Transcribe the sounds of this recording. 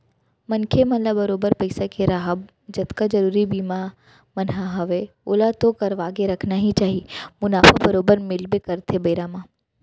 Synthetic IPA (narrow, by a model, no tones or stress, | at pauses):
mɐnkʰemɐnlabɐɾoːbəɾpɐɪsakeɾaɦəb | d͡ʒɐt̪kad͡ʒɐɾuːɾibiːma | mɐnɦaɦɐʋe | ʊlat̪okɐɾʋaːɡeɾɐkʰnaɦit͡ʃaːɦimʊnaːfabɐɾoːbəɾmɪlbekɐɾt̪ebɐɪɾaːmãː